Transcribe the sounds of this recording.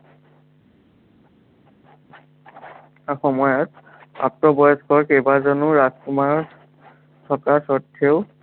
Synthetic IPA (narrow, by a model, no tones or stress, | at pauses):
axɔmɔjɔt | a̰k̚tɔbɔjɔskɔɹkebazɔnʊɹaskumaɹ | tʰɔkasɔtʰːeʊ